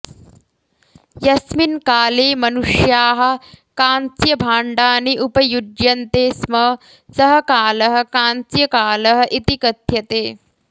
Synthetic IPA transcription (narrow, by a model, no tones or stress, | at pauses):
jɐsminkaːleːmɐnuʂjaːɦɐ̆kaːnsjɐbʱaːɳɖaːniʔupɐjud͡ʒjɐnt̪eːsmɐ | sɐɦɐkaːlɐɦɐ̆kaːnsjɐkaːlɐɦɐ̆ʔit̪ikɐt̪jɐt̪eː